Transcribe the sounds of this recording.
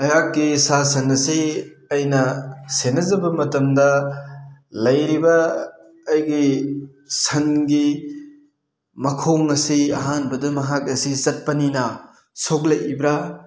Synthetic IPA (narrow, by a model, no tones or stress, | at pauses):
ɐjak̚ːisasɐnɐsiɐjnɐsenɐzɐbɐmɐtɐmdɐ | lɐjɾibɐː | jɡi | sɐnɡi | mɐkʰoŋɐsiɐɦanbɐdɐmɐɦak̚ɐsizɐt̚pɐninɐ | sok̚lɐjibɾa